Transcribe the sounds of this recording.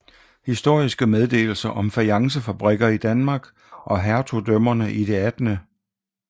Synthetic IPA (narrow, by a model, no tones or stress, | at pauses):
hisd̥o̝ɐ̰isɡ̥əmeð̞ˠd̥e̝̰ːl̩sɐʔɒ̽mfæljɑ̈ŋs̬əfæb̥ʁɛɡ̥ɐid̥ænmɑ̈ːɡ̥ | ʔɒ̽ɦæɐt͡sʰo̝d̥œm̰ɐnəʔid̥e̝æd̥nə